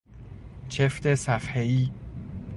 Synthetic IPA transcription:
t͡ʃʰeft̪ʰesæfheiː

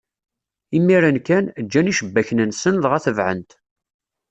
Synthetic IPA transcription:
imːiɾankænəd͡ʒːæniʃəbːæçnənsənðʁæθəvʕə̰nt̪

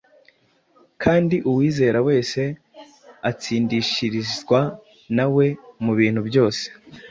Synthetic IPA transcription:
kʰaːndiʔuwiːze̞ːɾawe̞ːse̞ | at͡siːndiʃiɾizɡwa | nawe̞muβiːn̥hubjo̞ːse̥

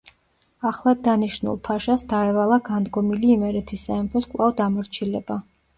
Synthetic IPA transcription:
aχlˠad̪aniʃnṵlˠpʰaʃasd̪aɛvalˠaɡand̪ɡɔmiliːmɛɾɛt̪ʰisːaɛmpʰɔskʼlˠavd̪amɔɾt͡ʃʰilɛb̥a

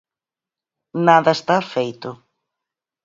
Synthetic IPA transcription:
naðɐest̪afejt̪ʊ

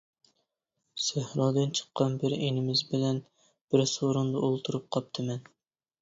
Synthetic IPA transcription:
sæhɾɑd̪ɨnt͡ʃʰə̥qːɑnbɪɾenɪmɪzbɪlɛn | b̥ɪɾsoɾund̪ɑʔolˠt̪ʰuɾup̚qʰɑp̚t̪ʰɨmɛn

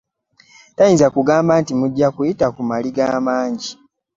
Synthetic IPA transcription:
tajiːnzakuɡaːmbaːntimuɟːakujitakumaliɡaːmaːɲɟi

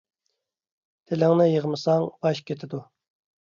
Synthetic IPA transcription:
t̪ʰelɪŋnɪjəʁmɨsɑŋbɑʃkʲʰet̪ʰɪd̪u

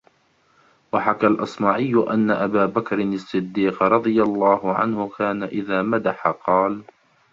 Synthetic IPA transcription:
waħakalʔɑsˤmaːʕɪjːʊʔanːaʔabaːbakɾɪnɪsˤːɨd̪ːiːqɾˤɑd̪ˤɨjalˤːaːhʊʕa̰nhʊkaːnaʔɪðaːmad̪aħaqɑːl

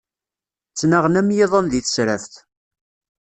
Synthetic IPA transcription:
t͡sːnaʁnæmjeðˤənðiθə̥sɾəft̪

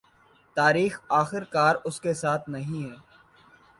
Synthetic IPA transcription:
t̪aːɾiːxaːxɪɾkaːɾʊskesaːt̪ʰnɐɦĩɦɛː

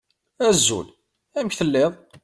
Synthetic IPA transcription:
æzːṵl | æməçθəlːeðˤ

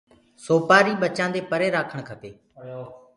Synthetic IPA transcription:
soːpaːɾiːɓət͡ʃãːnd̪eːpəɾeːɾaːkʰəɽ̃kʰəp̪eː

